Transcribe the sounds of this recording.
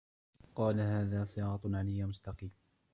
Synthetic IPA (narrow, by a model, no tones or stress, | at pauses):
qɑːlahaːðaːsɨɑːɑt̪ˤʕanɪjːamʊst̪ɑqiːm